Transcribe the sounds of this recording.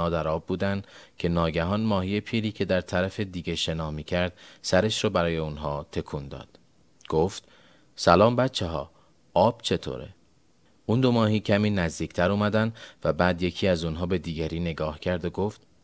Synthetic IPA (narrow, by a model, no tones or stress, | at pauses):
ɒːd̪æɾɒːbːuːd̪ænd̪cʰe̞nɒːɟæɦɒːnmɒːhijepʰiːɾiːcʰe̞d̪æɾt̪ʰæɾæfe̞d̪iːɟeʃe̞nɒːhmiːcʰæɾd̪̥sæɾeʃɾɒːbæɾɒːje̞unɦɒːt̪ʰe̞kʰund̪ɒ̰ːd̪̥ | ɡ̥oft̪ | sælɒːmbæt̪t͡ʃʰeɦɒ̰ː | ɒːb̥t͡ʃʰe̞t̪ʰo̰ːɾḛ | und̪o̞mɒːhiːcʰæmiːnæzd̪iːcʰt̪ʰæɾuːmæd̪ænd̪væbæːd̪je̞cʰiːæzunɦɒːbe̞d̪iːɡæɾiːne̞ɡɒːhcʰæɾd̪oɡo̞ft̪